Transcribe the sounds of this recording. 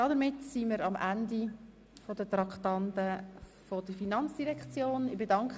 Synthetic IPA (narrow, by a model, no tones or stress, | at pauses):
d̥ɑdəmɪtsiməɾɑmʔændi | fodət̪ɾɑkχtɑntə | fodəfinɑnt͡sd̥iɾɛkt͡sjoːnɪbedɑŋkχ